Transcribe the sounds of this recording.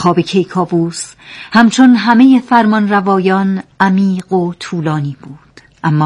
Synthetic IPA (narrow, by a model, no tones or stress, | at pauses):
xɒːbecʰejkʰɒːbuːs | hæmt͡ʃʰo̞nɦæme̞jefæɾmɒnrævɒːjɒːnæmiːɢot̪ʰuːlɒːniːb̥uːd̪̥ | ʔæmːɒː